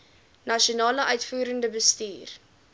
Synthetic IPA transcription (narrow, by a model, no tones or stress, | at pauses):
nɐʃionɑːləʔœɥtfuːɾəndəbəstiːr